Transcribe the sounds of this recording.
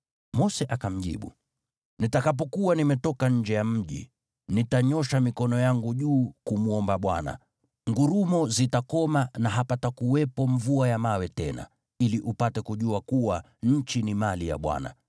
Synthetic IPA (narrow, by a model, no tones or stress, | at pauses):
mɔsɛʔakam̩ʄḭɓṵ | nitakap̬ɔkuwanimɛtɔkaɲ̩d͡ʒɛjam̩ʄḭ | nitaɲɔʃamikɔnɔjaŋɡuʄuːkumuɔmbaɓwa̰na̰ | ŋɡuɾumɔzitakɔmanaɦapatakuwɛpɔɱvuajamawɛtɛna̰ | iliʔupatɛkuʄuakuwa | ɲ̩t͡ʃinimalija̰ɓwa̰na̰